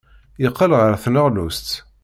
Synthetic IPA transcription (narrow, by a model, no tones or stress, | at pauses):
jəqːəlʁəɾθnəʁlust̪